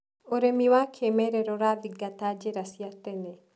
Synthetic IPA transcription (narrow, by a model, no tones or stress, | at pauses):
oɾemiwakʰemɛɾɛɾɔɾaviɡat̪ad͡ʒeɾasjat̪ɛnɛ